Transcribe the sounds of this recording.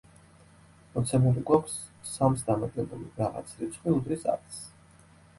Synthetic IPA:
mɔt̪sʰɛmɛɾiɡwakʷʰsː | amsd̪amad̪lɛbuliɾaʁa̰t̪sʰɾit̪sʰχwiud̪ɾisa̰ɾt̪s

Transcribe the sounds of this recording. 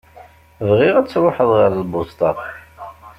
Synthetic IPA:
vʁɪʁæt͡sːɾoħəðˤʁɑɾlbʊst̪ɑ

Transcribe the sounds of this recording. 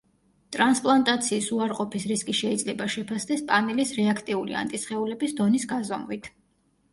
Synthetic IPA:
t̪ʼɾanspʼlˠant̪ʼat̪sʰiːsuaɾqʼɔpʰisɾiskʼiʃɛid̪zlɛbaʃɛpʰasd̪ɛspʼamilisɾɛakʰt̪ʼiulḭa̰nt̪ʼisχɛulɛbisd̪ɔnisɡazɔmʁit̪ʰ

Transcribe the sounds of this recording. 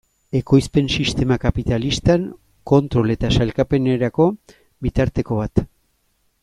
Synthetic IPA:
e̞ko̞jspe̞nsist̪e̞makapit̪alist̪aŋ | ko̞nt̪ɾo̞le̞t̪asalkape̞ne̞ɾako̞ | βit̪aɾt̪e̞ko̞βat̪

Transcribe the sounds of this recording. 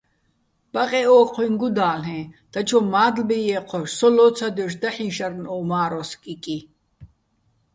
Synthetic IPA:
b̥aqʼɛɔːqʰwiŋɡud̪aːlɦɛ̃ːd̪̥at͡ʃʰɔmaːd̪lbɛjɛqʰɔʃsɔlɔːt͡sʰad̪ɛʃ̬d̪aħĩnʃaɾnɔːmaːɾɔskʼikʼi

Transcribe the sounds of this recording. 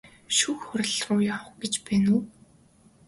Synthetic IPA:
ʃuxxʊɾ̆ʲɮrʊːjaw̆χɡet͡ɕpæːnuː

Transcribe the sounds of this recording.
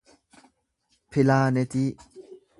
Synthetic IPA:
pʰilaːnet̪i

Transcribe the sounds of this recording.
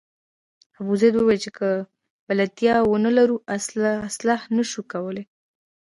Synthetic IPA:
abuzajd̪wəwelt͡ʃekə | balat̪jɑwənəlaɾuʔasaslɑhnəʃukawəle

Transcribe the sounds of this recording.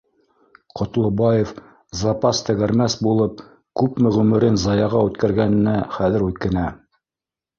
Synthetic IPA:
qŏt̪lˠŏbɑjef | zɑpɑst̪ɘ̆ɣæɾmæsbulˠɤp̚ | kʉpmɘʁɵmɘ̆ɾɘnzɑjɑʁɑʉt̪kæɾɡænɘ̆næχæðɘ̆ɾʉt̪kɘ̆næ

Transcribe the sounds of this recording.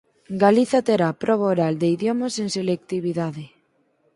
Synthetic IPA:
ɡaliθat̪eɾapɾɔβoɾald̪eiðjomaseŋselek̚t̪iβiðaðɪ

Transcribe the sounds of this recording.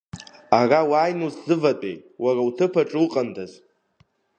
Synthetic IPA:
arawaːjnuszɨvatʼḛjwarawtʰɨpʰaʈ͡ʂʼwuqʼandaz

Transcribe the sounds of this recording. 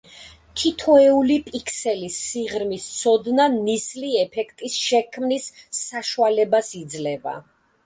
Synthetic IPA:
t̪ʰit̪ʰɔɛulipʼikʰsɛlisiʁɾmist̪sʰɔd̪nanisliɛpʰɛkʰt̪ʼisʃɛkʰmnisːaʃualɛbasid̪zlɛva̰

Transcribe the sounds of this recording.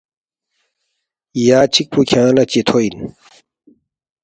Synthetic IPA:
jaːt͡ɕʰik̚pʰukʰãlat͡ɕet̪ʰoin

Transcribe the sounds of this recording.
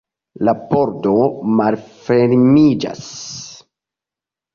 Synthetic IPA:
laboɾdomalfeɾmid͡ʒa̰s

